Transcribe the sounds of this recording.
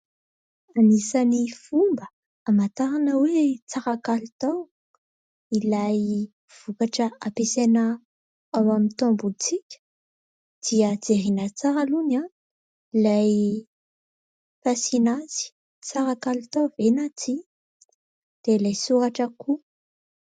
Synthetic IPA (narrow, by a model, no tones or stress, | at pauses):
anisanifumbə | amat̪aɾanəwet͡saɾakalut̪aw | ilaj | v̥ukaʈ͡ʂəapesena | awamit̪ombut͡sikʲə̥ | d̪̥iəd͡zeɾinət͡saɾaluna | ilaj | fasinaz̥i̥ | t͡saɾakalut̪awvenat͡si | d̪̥elajsuɾaʈ͡ʂəku